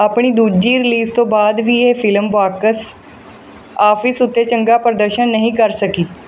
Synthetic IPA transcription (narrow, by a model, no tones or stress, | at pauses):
apɳ̃iːd̪uːd͡ʒiːɾɪliːst̪õːbaːd̪ʋiːeːfʰɪlmbaːkəs | aːpʰɪsʊt̪ːeːt͡ʃəŋɡaːpəɾəd̪əɾʃənːəɦĩːkəɾsəkiː